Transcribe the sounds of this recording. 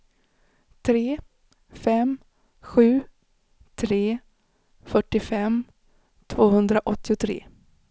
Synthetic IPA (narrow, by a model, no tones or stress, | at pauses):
t̪ʰɾeː | fɛm | ɧʉ̟ː | t̪ʰɾeː | fœʈːɪfɛm | t̪ʰvoːhɵnd̪ɾaʔɔt̪ːɪʊt̪ʰɾḛː